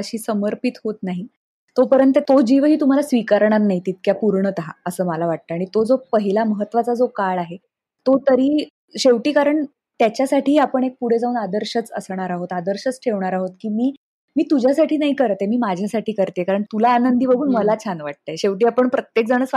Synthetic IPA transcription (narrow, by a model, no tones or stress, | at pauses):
əɕiːsəməɾpit̪ɦot̪naɦi | t̪opəɾənt̪ət̪od͡ʑiːʋɦiːt̪um̤alasʋikaɾɳ̃aɾnaɦit̪it̪̚kjapuɾɳət̪əɦa̰əsəːmalaʋaʈ̚t̪əaɽ̃it̪od͡zopəɦilaməɦət̪ːʋat͡sad͡zokaɭaɦe | t̪ot̪əɾiː | ɕeʋʈiːkaɾəɳ | t̪jat͡ɕjasaʈiːapəɳek̚puɽ̤ed͡zauːnad̪əɾɕət͡sə̰sɳ̃aɾaɦot̪ad̪əɾɕət͡sʈʰeʋɳaɾaɦot̪̚kiːmiː | miːt̪ud͡ʑʱjasaʈʰiːnaɦikəɾt̪emiːmad͡ʑʱjasaʈʰiːkəɾt̪jekaɾəɳt̪ulaːnənd̪ʱiːbəɡʱuːnməlat͡ɕʰanʋaʈ̚t̪ajɕeʋʈiːapəɳpɾət̪jek̚d͡zaɽ̃əːt͡s